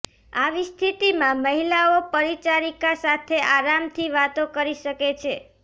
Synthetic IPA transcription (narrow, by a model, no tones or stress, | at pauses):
aʋist̪ʰit̪imãməɦilaopəɾit͡ʃaɾikasat̪ʰeʔaɾamt̪ʰiʋat̪okəɾiʃəket͡ʃʰe